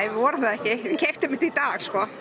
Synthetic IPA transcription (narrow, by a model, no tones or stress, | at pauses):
jʋɔɾʏθaðɛhcɪcʰɛft̪ɪmɪ̥t̪iit̪aːɣskɔ